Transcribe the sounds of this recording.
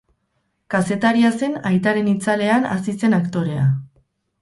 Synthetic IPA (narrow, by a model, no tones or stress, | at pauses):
kase̞t̪aɾiase̞najt̪aɾe̞nit͡sale̞ana̰sise̞nakt̪o̞ɾe̞a̰